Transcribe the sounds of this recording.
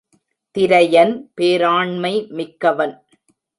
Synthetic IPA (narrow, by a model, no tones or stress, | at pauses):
t̪ɪɾɐjɐnpeːɾaːɳmɐɪmɪkːɐʋɐn